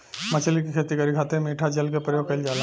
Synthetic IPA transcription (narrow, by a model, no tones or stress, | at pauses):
mɐt͡ʃʰlikikʰet̪ikəɾikʰaːt̪ẽmiːʈʰad͡ʒɐlkepɾəjoːɡ̚kɐɪld͡ʒaːl